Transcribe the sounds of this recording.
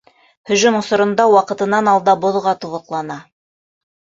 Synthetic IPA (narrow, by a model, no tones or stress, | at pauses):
hɵ̆ʒɵnŏsŏɾŏnd̪ɑwɑqɤ̆t̪ɤ̆nɑnɑlˠd̪ɑbŏðʁɑt̪uʁɤ̆q̪lˠɑnɑ